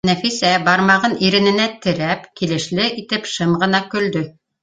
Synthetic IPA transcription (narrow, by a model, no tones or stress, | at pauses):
næfisæbɑɾmɑʁɤniɾɘ̆nɘ̆næt̪ɘ̆ɾæpkilɘ̆ʃlɘʔit̪ɘpʃɤmʁɤ̆nɑkɵ̆ld̪ɵ